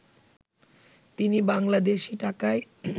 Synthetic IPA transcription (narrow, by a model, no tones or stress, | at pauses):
t̪inibaŋlad̪eʃiʈakae